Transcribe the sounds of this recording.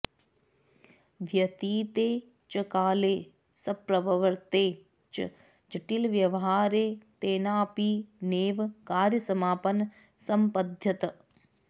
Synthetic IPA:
ʋjɐt̪iːt̪eː | t͡ʃɐkaːleː | sɐpɾɐʋɐʋɐɾt̪eː | t͡ʃɐ̰ | d͡ʒɐʈilʋjɐʋɐɦaːɾeːt̪eːnaːpiːneːʋkaːɾjɐsɐmaːpɐn | sɐmpɐd̪ʱjɐt̪ɐ

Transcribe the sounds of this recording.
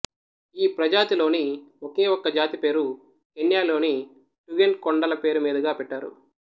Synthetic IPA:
iːpɾɐd͡ʒaːt̪ilo̞ːnioke̞ːwokːɐd͡ʒaːt̪ipe̞ːɾu | eɳjaːlo̞ːni | ʈuɡeɳʈ̚koɳɖɐlɐpe̞ːɾumiːd̪ɐɡaːpɛʈːaːɾṵ

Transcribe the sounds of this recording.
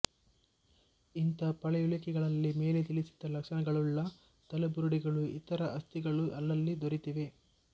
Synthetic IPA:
int̪ɐpɐɭɛjulɐkɛɡɐɭɐlːime̞ːlet̪ilisi̥d̪ɐlɐkʂɐnɐɡɐɭulːɐ | t̪ɐlɐbuɾuɽiɡɐɭuit̪ɐɾɐʔɐst̪iɡɐɭuʔɐlːɐlːid̪oɾit̪iʋe̞

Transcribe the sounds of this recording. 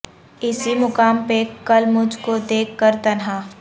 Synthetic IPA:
ɪsimʊkaːmpekɐlmʊd͡ʒʱkod̪eːkʰːəɾt̪ɐnɦaː

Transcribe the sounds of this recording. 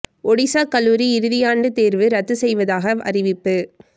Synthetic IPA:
ɔɽɪsaːkɐlːuːɾiɪɾɯðɪjaːɳɖɯt̪eːɾʋɯɾɐt̪ːɯsɛjʋɐðaːɣɐʔɐ̰rɪʋɪpːɯ

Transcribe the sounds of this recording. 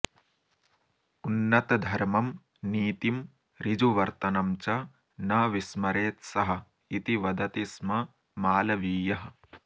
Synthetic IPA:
unːɐt̪ɐd̪ʱɐɾmɐm | niːt̪im | ɾid͡ʒuʋɐɾt̪ɐnɐmt͡ʃɐ | nɐʋismɐɾeːt̪sɐɦɐ̆ | it̪iʋɐd̪ɐt̪ismɐ | maːlɐʋiːjɐɦɐ̆

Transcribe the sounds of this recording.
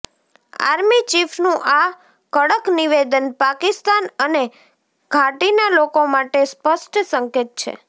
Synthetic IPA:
a̰ɾmit͡ʃifʰnũʔa | kəɽəkniʋed̪ənpakist̪anəne | ɡʱaʈinalokomaʈespəʃʈsəŋket̪̚t͡ʃʰḛ

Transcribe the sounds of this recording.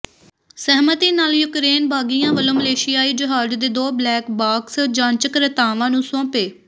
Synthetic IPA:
sɛɦmət̪iːnaːljʊkɾeːnbʱaːɡijãːʋəlõːməleːʃɪjaːiːd͡ʒəɦaːd͡ʒd̪eːd̪oːblɛːkbaːksd͡ʒãːɲt͡ʃəkɾət̪aːʋãːnũːsõːpeː

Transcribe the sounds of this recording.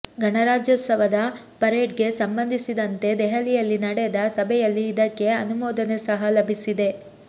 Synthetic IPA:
ɡʱɐɳɐɾaːd͡ʒjoːt̪sɐʋɐd̪ɐ | pɐɾeːʈɡe̞sɐmbɐnd̪ʱisid̪ɐnt̪e̞d̪ɛɦɐlijɐlːinɐɽɛd̪ɐsɐbʱɛjɐlːiːd̪ɐkːe̞ɐnumɔːd̪ɐnesɐɦɐlɐbʱisid̪e̞

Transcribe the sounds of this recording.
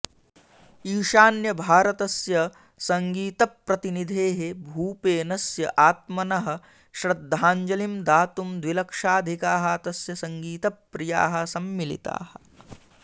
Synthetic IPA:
iːʃaːnjɐbʱaːɾɐt̪ɐsjɐ | sɐŋɡiːt̪ɐpːɾɐt̪inid̪ʱeːɦebʱuːpeːnɐsjɐʔaːt̪̚mɐnɐɦɐ̆ | ʃɾɐd̪ʱːaːɲd͡ʒɐlimd̪aːt̪umd̪ʋilɐkʂaːd̪ʱikaːɦɐt̪ɐsjɐsɐŋɡiːt̪ɐpːɾija̰ːɦɐ̆sɐmːilḭt̪a̰ːhɐ

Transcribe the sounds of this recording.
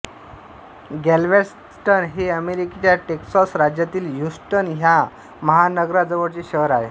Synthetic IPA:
ɡɛlʋes | ʈənɦeəmeɾiket͡ɕjaʈeksɔsɾad͡ʑjat̪iːljusʈənɦja | məɦanəɡɾad͡zəʋəɽt͡ɕeɕəɾaɦe

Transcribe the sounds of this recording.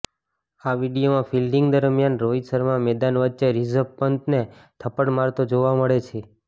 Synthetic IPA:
aʋiɽijomãfʰilɖiŋɡd̪əɾmjanɾoisəɾmãmɛd̪anʋətːt͡ʃeɾizəbpənt̪net̪ʰəpəɽmaɾt̪od͡ʒoʋaməɭet͡ʃʰe

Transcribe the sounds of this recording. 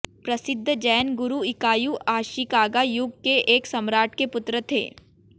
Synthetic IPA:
pɾɐsɪd̪ʱːd͡ʒɛːnɡʊɾuɪkaːjuʔaːʃikaːɡajʊɡ̚keʔeːksɐmɾaːʈkepʊt̪ɾət̪ʰḛː

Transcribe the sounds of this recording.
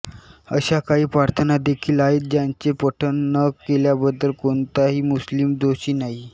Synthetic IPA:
əɕakaɦiːpɾaɾt̪ʰənad̪ekʰiːlaiːt̪̚d͡ʑjaɲt͡sepəʈʰənːəkeljabəd̪ːəlkoɳt̪aɦiːmuslimd̪oɕiːnaɦi

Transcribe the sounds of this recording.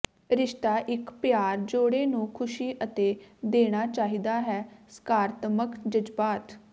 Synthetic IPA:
ɾɪʃt̪aːʔɪkpɪjaːɾd͡ʒoːɽeːnũːkʰʊʃiːʔət̪eːd̪eːɽ̃aːt͡ʃaːɦiːd̪aːɦɛːsə̥kaːɾt̪məkd͡ʒəd͡ʒbaːt̪

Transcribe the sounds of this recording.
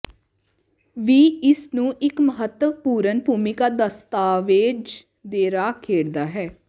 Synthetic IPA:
ʋiːɪsnũːʔɪkməɦət̪ːəʋpuːɾənpuːmɪkaːd̪əst̪aːʋɪːd͡ʒ | d̪eːɾaːkʰeːɽd̪aːɦɛː

